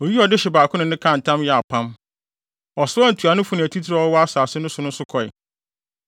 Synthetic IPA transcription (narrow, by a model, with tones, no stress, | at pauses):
ɔ˨ji˦ɔ˨dɪ˦ɕɪ˨baː˨kʰʊ̃˦nʊ̃˨nɪ̃˦kʰã˦˨n̩˨tʰã˦mjɛ˨a˨pʰã˦m | ɔ˨sʊ˦ɔ˦n̩˨tʰu˨a˨nʊ̃˦fʊ˨˦nɪ̃˨æ˨tʰi˦tʰi˦ɾa˦ɔ˦wɔ˦a˦saː˨sɪ˦nʊ̃˦sʊ˨˦nʊ̃˦sʊ˦kʰɔ˨ɛ̰˨